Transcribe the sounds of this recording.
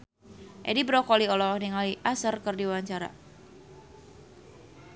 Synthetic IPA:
ʔɛ̰dibɾɔkɔliɔlɔhniŋaliʔasərkərdiwaɲt͡ʃaɾa̰

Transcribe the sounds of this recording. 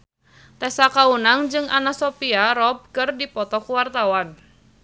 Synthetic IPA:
t̪ɛsakaunaŋd͡ʒɨŋʔa̰nasɔpiaɾɔb̚kɨrdipɔt̪ɔkuwart̪awan

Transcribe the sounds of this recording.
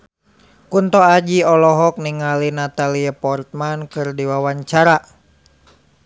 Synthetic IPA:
kunt̪ɔad͡ʒiɔlɔɦɔk̚niŋalinat̪aliapɔrt̪̚mankɨrdiwawaɲt͡ʃaɾa

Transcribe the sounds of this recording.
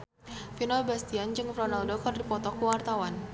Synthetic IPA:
finɔbast̪iand͡ʒɨŋfɾɔnaldokɔrdipɔt̪ɔkuwart̪awan

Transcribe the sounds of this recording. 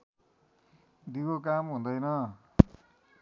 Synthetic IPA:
d̪ikokamɦũnd̪ʌjnʌ

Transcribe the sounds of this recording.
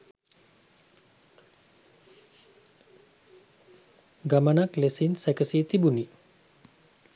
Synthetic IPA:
ɡamənaklesinsækəsit̪ibuni

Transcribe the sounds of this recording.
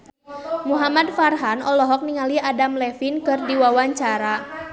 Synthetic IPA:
muɦamadfarɦanɔlɔɦɔk̚niŋaliadamlɛfinkɨrdiwawaɲt͡ʃaɾa

